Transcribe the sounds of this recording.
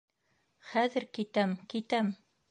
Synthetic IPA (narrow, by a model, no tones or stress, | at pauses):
χæðɘɾkit̪æmkit̪æm